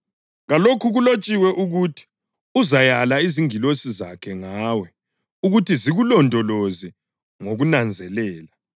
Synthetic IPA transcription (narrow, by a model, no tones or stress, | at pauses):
ɣalokʰuɣulot͡ʃʼiwɛʔuɣutʰi̥ | uzajalaiziŋilosizakʰɛŋaːwɛ | uɣutʰiziɣulɔndʱɔlozi | ŋoɣunand͡zʱɛlɛːla